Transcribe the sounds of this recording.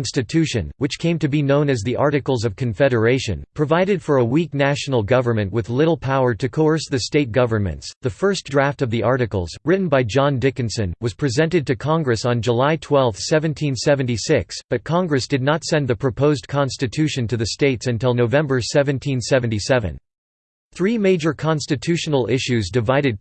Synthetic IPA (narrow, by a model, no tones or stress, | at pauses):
nstɨtʰʉʃɨ̰̃nwɨt͡ʃkʰẽɪ̃mtɨbinõʊ̃nɨzðiʔɑ̰ɹɾɨkl̩ˠzʌv̥kʰɨ̃ɱfɛɾə˞eɪʃɨ̰̃npʰɹ̥ɨvaɪɾɨd̥fə˞əwik̚næʃn̩l̩ˠɡʌvə˞mɨ̃nʔwɨðlɪɾl̩ˠpʰaʊə˞ɾɨkʰoʊə˞sðɨsteɪt̚ɡ̥ʌvə˞mɨ̰̃ntsðɨfɜ˞sd̥ɹæftʌvðiʔɑɹɾɨkl̩ˠzɹɪʔn̩baɪd͡ʒɑ̃ndɪkɨ̃nsɨ̃nwʌz̥pʰɹ̥izɛ̃ntɨd̚tɨkʰɑ̃ŋɡɹɨsn̩d͡ʒəlaɪtʰw̥ɛlˠfθsɛvɨ̃ntʰĩnsɛvɨ̃n̩tisɪksb̥ʌt̚kʰɑ̃ŋɡɹɨsd̥ɨdⁿnətsɛ̃nðɨpʰɹ̥ɨpʰoʊzkʰɑ̃nstɨtʰʉʃɨ̃ntʰɨðɨsteɪtsɨ̃ntɪlˠnoʊvɛ̃mbə˞sɛvɨ̃ntʰĩnsɛṽn̩tisɛvɨ̰̃n | θɹimeɪd͡ʒə˞kʰɑ̃nstɨtʰʉʃn̩l̩ˠɪʃʉzdɨvaɪɾɨd̚